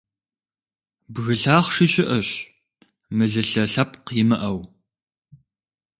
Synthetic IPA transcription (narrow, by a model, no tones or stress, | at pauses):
bɣɨɬaːχʂiɕʼɪʔɐɕ | mɨɮɨɬɐɬɐpqjɪmɨʔɐw